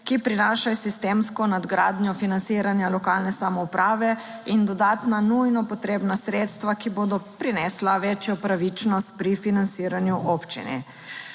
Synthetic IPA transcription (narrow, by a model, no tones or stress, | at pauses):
kipɾinaːʃasist̪eːmskɔnad̪ɡɾaːd̪njɔfinant̪siːɾanjalɔkaːlnɛsamɔupɾʔaːʋɛ | ind̪ɔd̪aːt̪nanujnɔpɔt̪ɾeːbnasɾeːt̪st̪ʋakiboːd̪ɔpɾinɛslaʋet͡ʃjɔpɾaʋit͡ʃnɔst̪̚pɾifinant̪siːɾanjuʔoːpt͡ʃḭnɛ̰